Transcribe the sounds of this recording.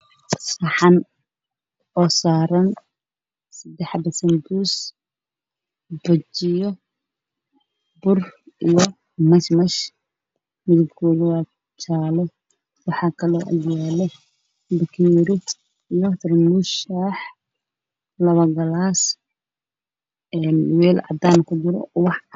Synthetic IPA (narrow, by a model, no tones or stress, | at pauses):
sɐħɑn | ɔːsaːɾɐn | sɐd̪ɛħbɐsɐnd̪uːs | bɐt͡ʃɪjɔ | bʊr | ijɔ | mɐʃmɐʃ | mɪðʊbkʰɔːlɪwaː | t͡ʃʰaːlɔ | wɑħɑːkʰɐlɔːʔɐ̰d̪jaːlɛ | bɐkʰɛːɾɪ | ijɔt̪ʰɪrmʊʃaːħ | lɐβɐɡɐlaːs | ɛːnwɛːlʕɑ̰d̪aːnkʰʊd̪ʊɾɔ̰wɑħ